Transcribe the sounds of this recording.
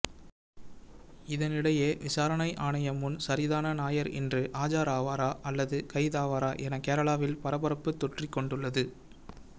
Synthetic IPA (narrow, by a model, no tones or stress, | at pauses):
ɪðɐnɪɽɐjeːʋɪsaːɾɐɳɐɪʔaːɳɐjɐmʊnsɐɾɪðaːnɐnaːjɐɾɛ̰ndrɯʔaːd͡ʒaːɾaːʋaːɾaːʔɐlːɐðɯkɐɪðaːʋaːɾaːʔɛnɐkeːɾɐɭaːʋɪlpɐɾɐbɐɾɐpːɯt̪ːɔʈrɪkːɔɳɖɯɭːɐðɯ